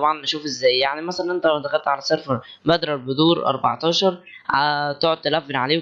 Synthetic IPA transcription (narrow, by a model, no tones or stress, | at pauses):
ɑbʕɑnʔæʃuːfʔezːæːjjaʕnimæsælænʔent̪ææwmæt̪æxælt̪ʕalæsɑɾfɑɾˤ | bæd̪ɾˤɑɾbed̪uːɾʔɑ̰ɾˤbɑ̰ʕt̪ˤɑːʃɑɾˤ | ʕæt̪oʕod̪̚t̪ælʔæfːenʕaleː